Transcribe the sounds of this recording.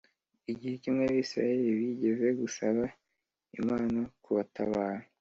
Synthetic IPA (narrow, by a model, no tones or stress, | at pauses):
iɟihecimŋeaβiːsɾa̰jeɾiβiɟeve̞ɡusaβa | ḭmaːnakuβatʰa̰βaːɾa